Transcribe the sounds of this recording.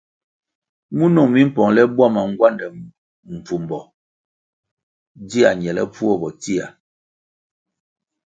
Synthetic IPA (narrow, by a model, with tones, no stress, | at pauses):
mu˦no˦˨ŋmi˦m̩˦pɔ˨ŋlɛ˦bwa˦ma˨ŋ˦ɡwa˦˨ndɛ˨ | m̩˨p͡fu˨m˨bɔ˨ | di˦a˨ɲ˨ɛ˨lɛ̰˦pu˦ɔ˦˨bɔ˨ti˦a˨